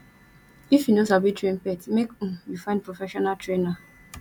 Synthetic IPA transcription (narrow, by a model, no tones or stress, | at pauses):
ifjinosabitʰɹẽnpɛtmekũjufãɪ̃nd̚pʰɹofɛʃɔnaltʰɹena